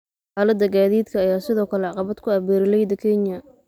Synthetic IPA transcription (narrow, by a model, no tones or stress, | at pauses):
ħaːlɐd̪ɐɡaːðiːd̪kʰɐːjaːsɪðɔːkʰɐlɛʕɑqɑβɐd̪̥kʰʊɐβɛːɾɪlɛjd̪ɐkʰɛnjɐ